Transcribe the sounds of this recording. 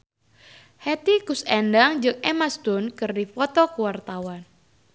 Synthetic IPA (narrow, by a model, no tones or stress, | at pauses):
hɛt̪ikusɛndaŋd͡ʒɨŋɛmast̪ʊnkɨrdifɔt̪ɔkəwart̪awan